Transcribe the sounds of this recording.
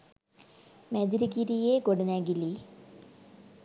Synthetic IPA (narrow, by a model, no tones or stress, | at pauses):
med̪iɾikiɾijekoɽunaɡili